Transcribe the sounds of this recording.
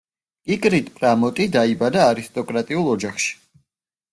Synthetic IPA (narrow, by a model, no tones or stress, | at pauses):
kʼikʼɾit̪ʰpʼɾamɔt̪ʼid̪aibad̪aːɾist̪ʼɔkʼɾat̪ʼiulˠɔd͡ʒaχʃi̥